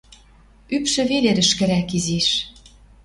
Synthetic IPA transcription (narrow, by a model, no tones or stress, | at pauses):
ypʃɘ̆βeleɾɘ̆ʃkɘ̆ɾækiziʃ